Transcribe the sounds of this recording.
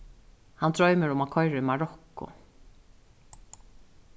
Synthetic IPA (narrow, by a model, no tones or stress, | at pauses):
hant̪ɹɔjmɪɾʊmakʰɔjɾɪɪmaɹɔkːʊ̰